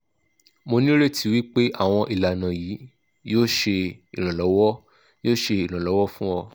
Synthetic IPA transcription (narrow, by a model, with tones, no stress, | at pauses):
mo˧nĩ˦ɾe˦˨tʰi˨˦wi˦k͡pe˦ʔa˦˨w̃ɔ̃˧ʔi˨la˨nã˨ji˨˦ | joː˦ʃe˧i˨ɾ̃ã˨lɔ˨˦wɔ˦ | o˦ʃe˧i˨l̃ã˨lɔ˨˦wɔ˦fũ˦ɔ˧